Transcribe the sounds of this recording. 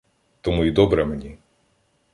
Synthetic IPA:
t̪ɔmuid̪ɔbɾɛmenʲi

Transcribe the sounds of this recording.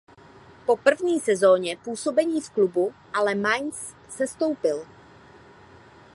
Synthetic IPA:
po̞pr̩vɲiːsɛzo̞ːɲɛpuːso̞bɛɲiːfklubuʔalɛmaɲsː | ɛst̪o̞wpɪl

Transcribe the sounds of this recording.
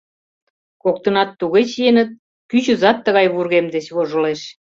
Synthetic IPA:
kok̚t̪ə̆nɑt̪ːuɣet͡ɕjenət̪̚ | kyt͡ɕə̆zɑt̪ːəɣɑjβurɣemd̪et͡ɕβoʒə̆leʃ

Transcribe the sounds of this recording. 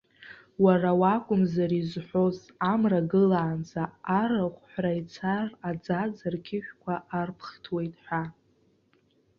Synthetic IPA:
warawakʷʼʊmzaɾizħʷo̞z | amraɡɨlaːnd͡zʰaːraχʷħʷrajt͡sʰarad͡zad͡zarkʲʰɪʃᶣʷkʷʰaʔarpʰχtʰwe̞jtʼħʷᶣa

